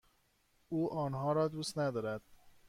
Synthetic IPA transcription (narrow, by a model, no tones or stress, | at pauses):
uːʔɒːnɦɒːɾɒːd̪uːst̪næd̪ɒːɾæd̪̥